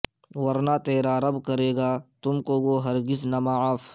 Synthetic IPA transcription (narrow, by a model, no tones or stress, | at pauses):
wɐɾnaːt̪eːɾaːɾɐbkɐɾeːɡaːt̪ʊmkoːɡoːɦɐɾɡɪznɐmaaf